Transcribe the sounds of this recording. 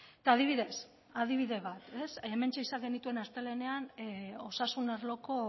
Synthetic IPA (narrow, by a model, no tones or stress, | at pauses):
t̪aːð̞iβ̞iðes | aðiβ̞iðe̞β̞at̪e̞seme̞nt͡ʃeisaŋɡe̞nit̪ue̞nast̪e̞le̞ne̞ano̞sasunaɾlo̞ko̞